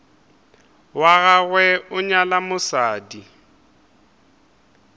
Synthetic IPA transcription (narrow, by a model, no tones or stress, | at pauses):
waɣaɣwɛʊɲalamʊsaːdi